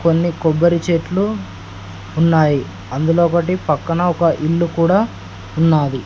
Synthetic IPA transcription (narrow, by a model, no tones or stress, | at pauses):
ko̞nːikobːɐɾit͡ʃeːʈluː | nːaːji | ɐnd̪ulɔːkɐʈipɐkːɐnɐɔkɐʔilːukuːɽaː | unːaːd̪i